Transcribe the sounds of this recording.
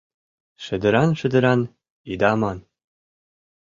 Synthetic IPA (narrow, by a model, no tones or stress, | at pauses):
ʃɘ̆d̪ɘ̆ɾɑnʃɘ̆d̪ɘ̆ɾɑn | id̪ɑmɑn